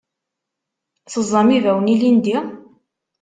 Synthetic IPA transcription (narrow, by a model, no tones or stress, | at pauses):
θəzˤːɑmivæwənilind̪i